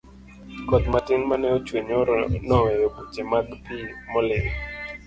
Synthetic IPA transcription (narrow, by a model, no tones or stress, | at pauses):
kɔt̪matɪnmanɛot͡ʃweɲonɔejobut͡ʃemakpimɔlɪw